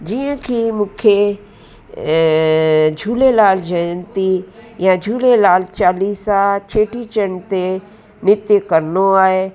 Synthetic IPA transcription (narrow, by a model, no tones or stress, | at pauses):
d͡ʑiːə̃kʰimũːkʰe | d͡ʒʱuːlelaːld͡ʒənt̪ijãd͡ʒʱuːlelaːlt͡ʃaːliːsat͡ʃʰeːʈit͡ʃənt̪e | nɪt̪jəkɐɾnoaːɦe